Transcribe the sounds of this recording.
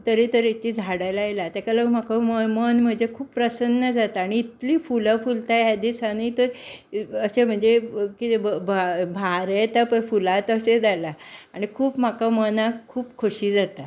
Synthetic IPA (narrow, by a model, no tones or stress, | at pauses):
t̪əɾit̪əɾet͡ɕid͡zʱaɽajlajlat̪jakalam̤akaməmənm̤əɳd͡zekʰuːpːɾəsənːəd͡zat̪aːɽ̃iːt̪liːfuləfult̪ajɦad̪isaniːt̪əɾ | əɕem̤əɳd͡zekit̪ebabʱaɾet̪apəfulãt̪əsed͡zalaaɽ̃ikʰuːpm̤akamənakʰuːpkʰoɕid͡zat̪a